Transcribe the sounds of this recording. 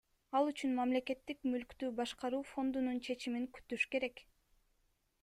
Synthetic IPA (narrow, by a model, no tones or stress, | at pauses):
ɑlˠyt͡ʃynmamle̞ke̞t̪ːikmylkt̪yːbɑʃqɑɾuːfo̞nd̪ununt͡ʃʰe̞t͡ʃimiŋky̥t̪yʃke̞ɾe̞k